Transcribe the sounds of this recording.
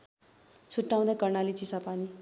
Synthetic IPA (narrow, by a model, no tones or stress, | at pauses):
t͡sʰuʈːaw̃d̪akʌrnalit͡sisapani